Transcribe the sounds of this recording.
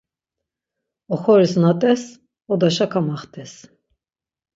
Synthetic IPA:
ɔxɔɾisnat̪ʼɛs | ɔd̪aʃakʰamaχt̪ʼɛs

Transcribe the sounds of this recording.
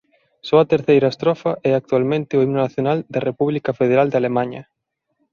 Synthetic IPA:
sɔɐt̪eɾθejɾɐest̪ɾɔfɐʔɛak̚t̪ualmẽnt̪ɪoimnonaθjonald̪ɐrepuβlikɐfeð̞eɾald̪alemãɲɐ̰

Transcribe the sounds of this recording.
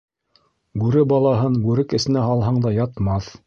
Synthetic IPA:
bʉɾɘbɑlˠɑɦɤnbʉɾɘkɘ̆sɘ̆næhɑlˠɦɑɴd̪ɑjɑt̪mɑθ

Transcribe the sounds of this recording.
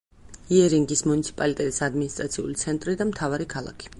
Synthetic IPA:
iɛɾiŋɡismunit̪sʰi̥pʼalit̪ʼɛt̪ʼisad̪minist̪ʼɾat̪sʰiṵlit̪sʰɛnt̪ʼɾid̪amt̪ʰavaɾikʰalˠa̰kʰi̥

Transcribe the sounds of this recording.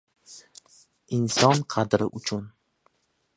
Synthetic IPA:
ɪnsɒnqʰɑd̪ɾɪʔʊt͡ʃʰʊn

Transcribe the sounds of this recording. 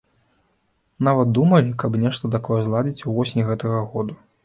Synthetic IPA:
navɐt̪̚d̪umɐlʲikɐbnʲɛʂt̪ɐt̪̬akɔjɛzlˠad͡zʲit͡sʲuvɔsʲnʲiɣɛt̪ɐɣɐɣɔd̪u

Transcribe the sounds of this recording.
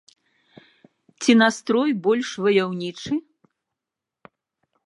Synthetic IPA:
t͡sʲinast̪ɾɔjbɔlʲʂvɐjawnʲit͡ʂɨ

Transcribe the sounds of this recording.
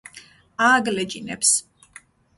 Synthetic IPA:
aɡlɛd͡ʒʼinɛps

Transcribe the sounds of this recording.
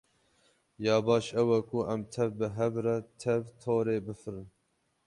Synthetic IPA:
jɑːbɑːʃɛwɛkuʔɛmt̪ʰɛvbɨɦɛvɾɛt̪ʰɛvt̪ʰoːɾeːbɨfɨɾɨn

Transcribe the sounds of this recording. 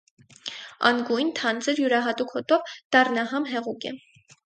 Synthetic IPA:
ɑ̰ŋɡujnt̪ʰɑnt͡səɾjuɾɑɦɑt̪ukʰhɔt̪ɔvd̪̥ɑrnɑɦɑmɦɛʁukɛ̰

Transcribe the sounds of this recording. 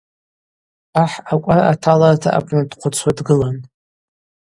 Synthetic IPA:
aħakʷʼaraatʰalartʰa̰ʔa̰pʷʰʼnadqʷʰat͡sʷʰwadɡɨlan

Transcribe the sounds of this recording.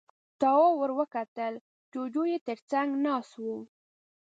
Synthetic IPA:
t̪ɑwɑwəɾwəkat̪əl | d͡ʒod͡ʒojet̪əɾt͡saŋɡnɑswəw

